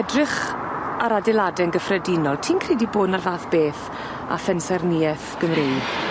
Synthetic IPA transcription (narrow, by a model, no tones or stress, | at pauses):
ɛdrɪχ | aɾadɛlˠadɛnɡəfrɛdɪnɔlˠtʰiːnkʰriːdiboːdnarðaːθb̥eːθ | a̰fɛnsɛrniɛθɡ̥əmrejd̥